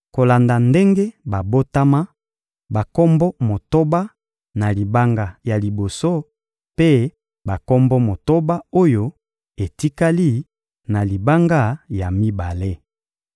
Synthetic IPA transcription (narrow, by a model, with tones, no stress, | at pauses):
ko˨la˨nda˨nde˦ŋɡe˦ba˨bo˦ta˦ma˦ | ba˨kɔ˦mbɔ˦mo˨to˦ba˦ | na˨li˨ba˦ŋɡa˨ja˨li˨bo˨so˦ | pe˦ | ba˨kɔ˦mbɔ˦mo˨to˦ba˦o˦jo˦ | e˨ti˦ka˦li˦˨ | na˨li˨ba˦ŋɡa˦˨ja˨mi˦ba˨le˦